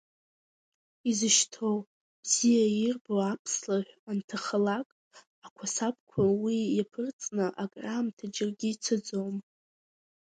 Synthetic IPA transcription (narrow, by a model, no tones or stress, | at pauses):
izɨʃtʰow | b̥zijairboapʰslaʕʷᶣantʰaχəlakʼ | akʷʰasap̚ʰʼkʷʰawijapʰɨrt͡sʼnɨʔakʼramtʰad͡ʒɪrɡʲit͡sʰɨd͡zowm